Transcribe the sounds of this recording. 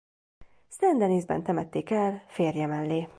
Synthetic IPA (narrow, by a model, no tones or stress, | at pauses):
st̪ɛnd̪ɛnizbɛ̰nt̪ɛmɛt̪ːeːkɛlfeːrjɛmɛlːeː